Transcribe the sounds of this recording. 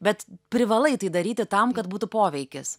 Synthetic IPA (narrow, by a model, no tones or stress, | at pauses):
bʲɛt̪pʲɾʲɪʋɐlˠɐɪt̪ɐɪd̪ɐɾʲiːt̪ʲɪt̪ɐmkɐt̪buːt̪ʊpoːʋʲɛɪkʲɪs